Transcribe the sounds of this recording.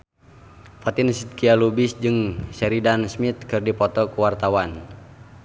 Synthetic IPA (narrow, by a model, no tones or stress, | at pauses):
fat̪insit̪̚kialubisd͡ʒɨŋsɛɾidansmit̪̚kɨrdipɔt̪ɔkuwart̪awan